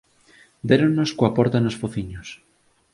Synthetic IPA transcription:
d̪eɾonnoskoapɔɾt̪anosfoθiɲos

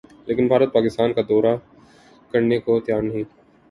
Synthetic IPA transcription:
leːkɪnbʱaːɾət̪̚paːkɪst̪aːnkad̪ɔːɾa | kɐɾnekot̪jaːɾnɐɦĩː

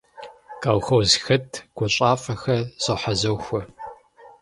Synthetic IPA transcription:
kʼaːwxɐwzxɐtʰɡ̥ʷɔɕʼaːfʼɐxɐz̥ʼɐħazɐwxʷɐ

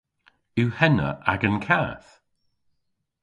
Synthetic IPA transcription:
uwhɛnə̰ʔa̰ɡənkʰaːθ

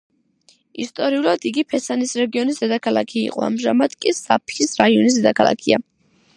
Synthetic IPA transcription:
ist̪ʼɔɾiulˠad̪̥iɡipʰɛsanisɾɛɡiɔnisd̪ɛd̪akʰalˠa̰kʰḭːqʼɔ̰a̰mʒamad̪̥kʼisapʰisɾaiɔnis̬d̪ɛd̪akʰalˠa̰kʰia

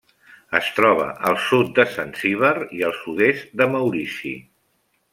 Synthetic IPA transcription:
əst̪ɾɔβ̞ə̰ʔəlˠsut̪̚d̪əsansiβ̞əɾiəlˠsuðezt̪̚d̪əməwɾisḭ

